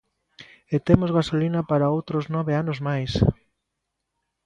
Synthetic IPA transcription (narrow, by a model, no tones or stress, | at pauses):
et̪emozɣasolinapaɾaowt̪ɾoznɔβeanʊzmajs